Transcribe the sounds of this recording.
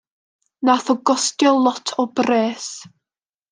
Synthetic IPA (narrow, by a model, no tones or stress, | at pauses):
naθɔɡɔstjɔlˠɔtʰɔbreːs